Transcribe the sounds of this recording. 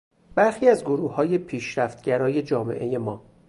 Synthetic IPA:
b̥æɾxiːæzɡoɾuːhɒːje̞pʰiːʃɾæft̪ɟæɾɒːje̞d͡ʒɒːme̞̰ʔe̞je̞mɒː

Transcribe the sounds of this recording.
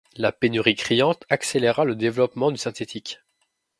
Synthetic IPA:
lapenyʁikχijɑ̃t̪akseleʁaləd̪evlɔpmɑ̃d̪ysɛ̃t̪et̪ʰikʲ

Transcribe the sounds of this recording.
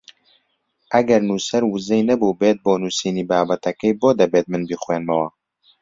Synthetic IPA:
ʔæɡɛɾnuːsɛɾwɨzɛjnɛbuːbeːt̪̚boːnuːsiːniːbaːbɛt̪ɛkɛjboːd̪ɛbeːt̪̚mɨnbiːxweːnmɛwɑ

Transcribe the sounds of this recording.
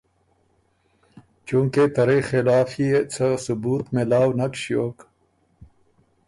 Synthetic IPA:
t͡ɕũːŋket̪ɐɾexelaːfiet͡sʰɐsubuːt̪melaːwnɐkɕioːk

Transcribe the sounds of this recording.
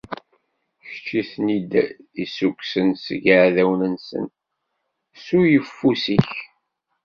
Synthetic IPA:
çə̥t͡ʃːiθnid̪æisukʷːsənsɡəʕðæwnənsə̰n | sujəfːusiç

